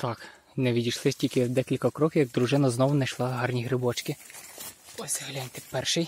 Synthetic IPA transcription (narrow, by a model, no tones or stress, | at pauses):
t̪ɑk | nɛʋʲidʲijʃlˠɪsʲtʲilʲkɪd̪ɛkʲilʲkɐkɾɔkʲɪjɐɡ̚d̪ɾʊʒɪnɐznɔʋʊnɐjʃlˠɑɦɑrnʲiɦɾɪbɔt͡ʃkɪ | ɔsʲɐɦɐlʲanʲt̪ɪ̥pɛrʃɪj